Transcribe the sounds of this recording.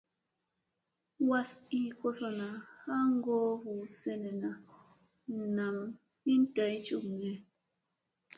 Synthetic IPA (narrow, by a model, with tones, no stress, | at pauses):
wa˦si˨kɔ˦sɔ˦na˨ha˦ŋ˦ɡɔ˦hu˨sɛ˦nɛ˨na˨ | na˨m | i˦n˦ta˨˦jt͡ʃu˦˨kŋɛ˨˦